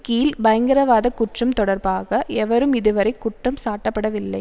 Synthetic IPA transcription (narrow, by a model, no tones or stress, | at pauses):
kiːlbɐjɐŋɡɐɾɐʋaːðɐkːʊʈrɐmt̪ɔɽɐɾbaːɣɐɛʋɐɾɯmɪðɯʋɐɾɐɪkːʊʈrɐmsaːʈːɐpːɐɽɐʋɪlːɐɪ